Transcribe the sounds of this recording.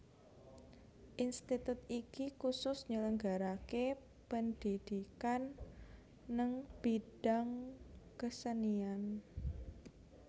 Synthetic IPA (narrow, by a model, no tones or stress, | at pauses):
ʔinst̪it̪ʊt̪̚ikikusʊsɲələŋɡaɾake | pənd̥id̪̥ikanː | əŋb̥id̥aŋkəsənian